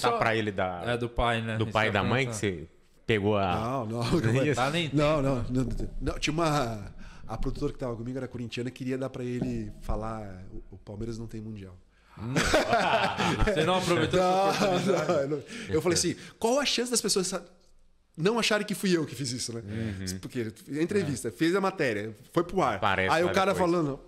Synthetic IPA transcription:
apɾɐelɪd̪ɐɛd̪ʊpajnɛd̪ʊpajd̪ɐmɐ̃j̃kɪse | peɡoɐnɐ̃w̃nɐ̃aẽnɐ̃w̃nɐ̃w̃nɐ̃w̪̃nɐ̃w̃t͡ʃĩjɐũmɐ | ɐpɾod̪ut̪oɾɐkɪt̪avɐkõmiɡʊɛɾɐkoɾĩnt͡ʃiɐ̃nɐkɪɾiɐd̪aɾpɾɐelɪfalaɛʊʊpawmeɾɐznɐ̃w̃t̪ẽj̃mũd͡ʒiaw | nɐ̃w̃apɾovejt̪oɐnɐ̃enɐ̃wewfalejasĩkwawɛɐʃɐ̃sɪd̪ɐspesoɐsa | nɐ̃w̃aʃaɾẽj̃kɪfujewkɪfizisʊnɛspoɾkeẽnt̪̬ɾevist̪ɐfezɐmat̪ɛɾiɐfojpɾʊaɾpa̰ɾɛ̰saiʊkaɾɐfalɐ̃nd̪ʊ

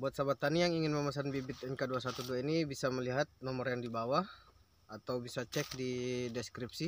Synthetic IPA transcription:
buat̪̚sabat̪anijaŋiŋɪnməmas̬anbibɪt̪̚ɛnkaduasat̪uduainibisaməliɦat̪̚nɔmərjaŋdibawah | at̪awbisat͡ʃɛk̚didɛskɾip̚si

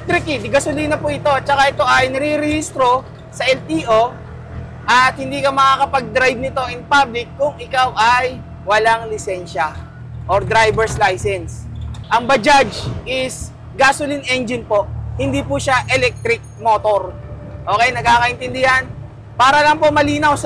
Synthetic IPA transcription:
t̪ɾɪkɪd̪ɪɡɐsʊliːnɐpʊʔɪt̪o̞t͡ʃɐkaʔɛt̪o̞ʔɐjnɐɾiɾɛhist̪ɾo̞ | sɐʔɛlt̪iːʔo̞ | ʔɐt̪̚hɪnd̪iːkɐmɐkakɐpɐɡ̚d̪ɾajb̚nɪt̪o̞ʔɪŋpablɪkːʊŋɪkawʔɐj | wɐlaŋlɪsɛnʃɐ | ʔoɾd̪ɾajbɛɹslajsɛnsʔɐŋbɐd͡ʒad͡ʒʔɪs | ɡaːsʊlɪnɛnd͡ʒɪnpo̞ʔhɪnd̪iːpʊʃaʔɛlɛk̚t̪ɾɪk̚mo̞ːt̪o̞ɾ | ʔo̞ːkɛjnɐɡ̚kaːkɐʔɪnt̪ɪnd̪ɪhɐn | paːɾɐlɐŋpomɐliːnɐws

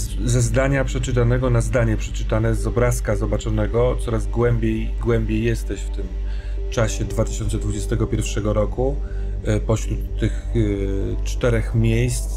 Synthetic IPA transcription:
zɛzd̪aɲapʂɛt͡ʂɘt̪anɛɡɔnazd̪aɲɛpʂɛt͡ʂɘt̪anɛzɔbɾaskazɔbat͡ʂɔnɛɡɔt̪sɔɾazɡwɛmbʲjejiɡwɛmbʲjejːɛst̪ɛɕft̪ɘm | t͡ʂaɕɛd̪vat̪ɘ̥ɕɔnt̪sɛd̪vud͡ʑɛst̪ɛɡɔpʲjɛɾfʂɛɡɔɾɔku | pɔɕɾut̪ːɘx | t͡ʂt̪ɛɾɛxmʲjejst̪s

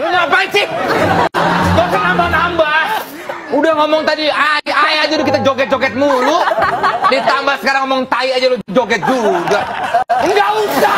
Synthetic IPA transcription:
lʊɲapait͡ʃɪ | okanambahnambah | udahŋɔmɔŋt̪adiaajad͡ʒalʊkit̪ad͡ʒoɡɛt̪̚d͡ʒoɡɛt̪̚mulʊ | dit̪ambahsə̥kaɾaŋːɔmɔŋt̪aiad͡ʒalʊd͡ʒoɡɛt̪̚d͡ʒuɡaəŋɡauda

